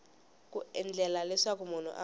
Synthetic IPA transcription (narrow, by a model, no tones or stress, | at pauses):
kʼuɛnd͡ɮʱɛlalɛsak̬ʼumun̤ṵʔa